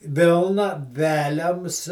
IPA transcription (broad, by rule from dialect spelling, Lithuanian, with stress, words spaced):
ˈʋʲɪlˠnɐ ˈʋʲæːlʲɛms